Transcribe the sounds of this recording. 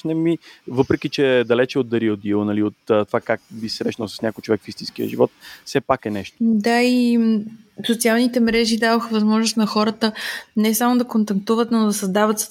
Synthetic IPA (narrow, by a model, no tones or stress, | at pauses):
nɛmivɤpɾɛk̟it͡ʃɛd̪ɐlɛt͡ʃɛod̪̚d̪ɐɾiod̪ilˠnɐliot̪ːt̪ːovakak̚bisɾɛʃnəlˠsɐ̥snʲakojt͡ʃovɛkfist̪inskiə̰ʒivɔt̪fsɛpakɛnɛʃt̪o̥d̪ai | sot̪sialˠnit̪ɛmɾɛʒid̪avoxəvɐzmɔʒnʊst̪nɐxɔɾət̪ənɛsamod̪ɐkont̪ɐk̚t̪uvət̪nod̪ɐsɐzd̪avət̪s